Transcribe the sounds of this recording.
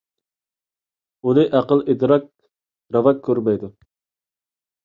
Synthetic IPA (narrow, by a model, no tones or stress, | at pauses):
unɨʔæqəlˠʔed̪ɾɑk̚ | ɾɑvɑkʲʰːøɾmɛjd̪u